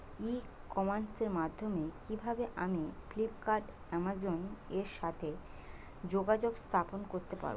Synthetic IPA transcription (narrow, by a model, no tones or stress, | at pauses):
i | kɔmanseɾmad̪ʱːomekibʱabeʔamiflip̚kaɾʈ | ɛmazoneɾʃat̪ʰe | d͡ʑoɡad͡ʑoɡst̪ʰaponkoɾt̪epa̰ɾ